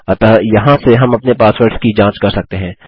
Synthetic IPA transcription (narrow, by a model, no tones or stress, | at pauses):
ɐt̪ɐjɐɦãseɦɐmɐpnepaːswəɾɖskid͡ʒãːt͡ʃkɐɾsɐk̚t̪eɦɛ̃ː